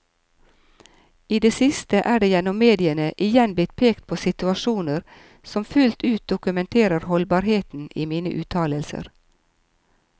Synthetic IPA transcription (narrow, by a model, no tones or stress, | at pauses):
iːd̪eːsɪst̪əʔæːɖeːjɛnɔmːeːd̪ɪənəʔɪjɛnblɪt̪̚pʰeːkt̪̚pʰoːsɪt̪ʉɑʃuːnəɾ | sɔmfʉlt̪ʰʉːt̪̚d̪ʊkʉmɛnt̪ʰeːɾəɾhɔlbɑːɾheːt̪n̩iːmiːnə̰ʔʉːt̪ʰɑːləlsə̰ɾ